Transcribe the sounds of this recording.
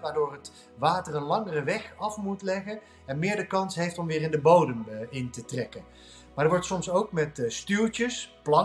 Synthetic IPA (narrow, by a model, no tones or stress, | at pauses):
ʋaːɹdʊːrət | ʋaːtərənlɑŋərəʋɛχɑfmutlɛχən | ɛnmɪːɹdəkɑnsɦejftɔmʋɪːrɪndəbowdəmɪntətrɛkən | maːɹdəʋɔɹtsɔmsowkmɛtstylˠtəsplɑ